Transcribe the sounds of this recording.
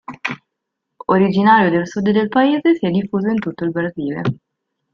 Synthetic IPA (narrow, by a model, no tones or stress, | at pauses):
oɾid͡ʒinaːɾjod̪elsud̪d̪elpaeːzesiɛd̪ːifːuːzoint̪ut̪ːoilbɾaziːlḛ